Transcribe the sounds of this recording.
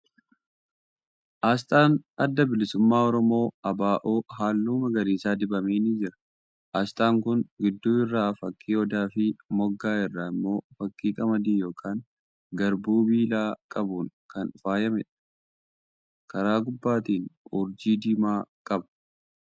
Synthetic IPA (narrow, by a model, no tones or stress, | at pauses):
ʔaːs̬t̪ʼaːnɐd̪ːɐbɪlɪsʊmːaːɔɾɔmo̞ːɐbaːʔoːɦaːlːuːmɐɡɐɾiːsaːd̪ɪbɐmeːnid͡ʒɪɾɐ̥ | ʔaːst̪ʼaːŋkʊnɡɪd̪ːuːɪrːaːfɐkʼːiːɔd̪aːfɪmɔɡːaːɪrːaːɪmːo̞ːfɐkːiːkʼɐmɐd̪iːjo̞ːkʰaːŋ | ɡɐɾbuːbiːlaːkʼɐbuːŋkʰɐnfaːjɐmɛᶑɐ̥ | kɐɾaːɡʊbːaːt̪iːnʊɾd͡ʒiːd̪iːmaːkʼɐb